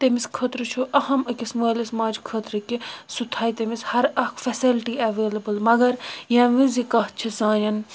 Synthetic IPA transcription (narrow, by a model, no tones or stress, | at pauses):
t̪emiskʰəːt̪ɾɨt͡ʃʰuʔɐhɐmɐkʲisməːlɐsmãːd͡ʒkʰəːt̪ɾɨkʲisut̪ʰaːit̪emishɐɾɐkfɐsilʈiɐʋeːlɐbɨlmɐɡɐɾjãːʋĩzikɐɦt͡ʃʰisãːjɐn